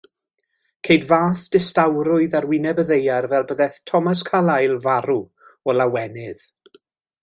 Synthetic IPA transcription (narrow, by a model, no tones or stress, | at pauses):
kʰejdvaːθd̥ɪstawɾʊɨðarwɪnɛbəðejarvɛlˠbəðɛθtʰɔmas̬kʰalajlˠvaɾu | ɔlawɛnɪð̥